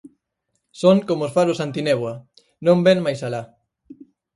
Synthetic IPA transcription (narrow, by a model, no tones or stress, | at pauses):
soŋkomoosfaɾosant̪ineβwa | nõmbeŋmajsala